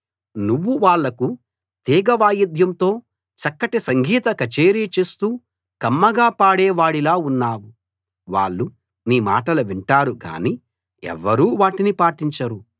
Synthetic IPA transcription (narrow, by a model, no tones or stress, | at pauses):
nuʋːuʋaːɭːɐku | t̪iːɡɐʋaːjɐd̪ʱjɐmt̪o̞ː | t͡ʃɐkːɐʈesɐŋɡʱiːt̪ɐkɐt͡ʃeːɾit͡ʃe̞ːst̪uː | kɐmːɐɡaːpaːɽɛːʋaːɽilaːunːaːwu | ʋa̰ːɭːu | niːma̰ːʈɐluʋiɳʈaːɾuɡa̰ːniː | ɛ̰ʋːɐɾuːʋaːʈinipaːʈiɲt͡ʃɐɾu